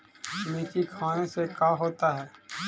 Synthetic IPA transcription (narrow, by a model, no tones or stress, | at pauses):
meːkikʰaːnesekaːɦoːt̪aɦɛː